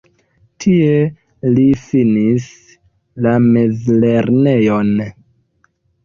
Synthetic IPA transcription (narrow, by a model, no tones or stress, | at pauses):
tʰie̞ | lifinis | lamezle̞ɾne̞jo̞n